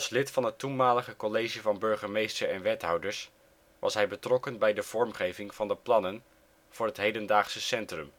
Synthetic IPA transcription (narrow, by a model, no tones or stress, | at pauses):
ɑlˠslɪtfɑnətunmaːləχəkɔlejʒivɑnbɵɹχəmejstəɹɛnʋɛtɦɑwdəɹs | ʋʔɑ̰sɦɛjbətrɔkənbɛjdəv̥ɔɹmχejvɪŋv̥ɑndəplɑnən | v̥ʊːɹɦətɦejdəndaːχsəsɛntrəm